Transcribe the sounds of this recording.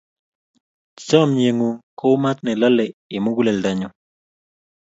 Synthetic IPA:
t͡ʃɔ˦mɲe˨ŋu˨ko˦wma˦t̪̚nɛ˨lɔ˦lɛ˨i˨mu˦ɡu˦le˨lda˦ɲɔ˨

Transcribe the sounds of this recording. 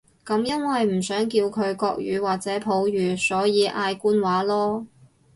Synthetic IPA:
kɐ˨˧˥mjɐ˥nwɐ˨jm̩˨˩sœː˨˥ŋkiː˧wkʰɵ˨˧ɥkɔː˧k̚jy̰ː˨˧waː˨k̚t͡sɛː˨˥pʰo˨˥wjyː˨˩sɔː˨˥jiː˨˧ʔaː˧jkuː˥nwaː˨˥lɔː˥

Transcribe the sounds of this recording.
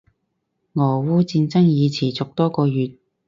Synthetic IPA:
ŋɔː˨˩wuː˥t͡siː˧nt͡sɐ˥ŋjiː˨˧t͡sʰiː˨˩t͡sʊ˨k̚t̪ɔː˥kɔː˧jyː˨t̪̚

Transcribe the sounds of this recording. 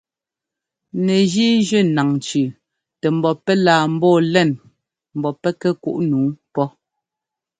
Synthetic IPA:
nɛ˨d͡ʒi˦d͡ʒə˦˨na˨ŋt͡ʃʉ˨ | tɛ˨m̩˨bɔ˨pɛ˦laː˨m̩˦bɔː˦˨lɛ˦˨n | m̩˨bɔ˨pɛ˦kɛ˦ku˦ʔnuː˨˦pɔ˦

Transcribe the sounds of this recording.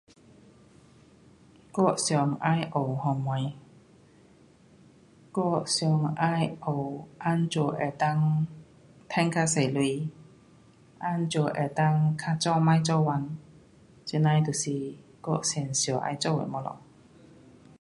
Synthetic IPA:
kɔ˧˥k̚sjɔ˨˧˩ŋʔaː˧˥jʔo˨˩whɔ˧ŋːa˧j | kɔ˧˥˩k̚sjɔ˨˧ŋaː˧˥jʔo˨˩wʔa˦˥nt͡ʃo˧˩ʔɛ˨˧˩t̪a˥˧ŋ | t̪ʰɛ˥ŋkʰa˧˥se˨˩jlu˧j | ʔa˧˥nt͡ʃɔ˧ʔɛ̰˧˩t̪a˧˥ŋkʰa˧˥t͡sɔ˥maː˧˥jt͡sɔ˥˧wwa˧n | t͡si˧na˧jt̪u˨˩si˧kɔ˧k̚se˧˩nsjɔ˨˩ʔa̰ː˧jt͡sɔ˥˩wə̰˨˩jmɔ˧lɔ̰˨

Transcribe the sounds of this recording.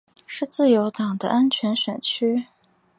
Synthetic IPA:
ʂɻ̩˥˧t͡sɹ̩˥˩jo˧˥ʊt̪ɑ˨˩ŋd̪ə̰˦ʔa˥nt͡ɕʰɥɛ˧˥nɕɥɛ˨˩nt͡ɕʰy˥

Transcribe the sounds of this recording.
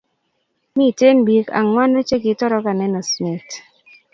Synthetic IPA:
mi˦˨te˦nbi˨ka̰˨ŋwa˦no˦t͡ʃe˦ɡɪ˨tɔ˦ɾɔ˦ka˨nɛ˦nɔ˨smi˨t

